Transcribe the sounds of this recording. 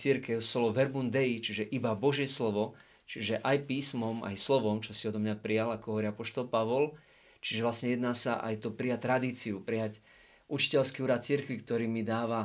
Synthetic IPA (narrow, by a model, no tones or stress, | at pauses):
t͡siɾkɛʊsɔlɔʋɛɾbund̪ɛit͡ʃiʒɛʔibabɔʒjɛslɔʋɔ | t͡ʃiʒɛʔajpiːsmɔma̰jslɔʋɔmt͡ʃɔsiɔd̪ɔmɲapɾijalakɔɦɔʋɔɾiapɔʃt̪ɔlpaʋɔl | t͡ʃiʒɛʋlasɲɛjɛd̪naːsaʔa̰jt̪ɔpɾijac̚t̪ɾad̪iːt͡siupɾijac | ʔut͡ʃi̥cɛlskiuːɾat̪̚t͡siɾkʋikt̪ɔɾiːmid̪aːʋa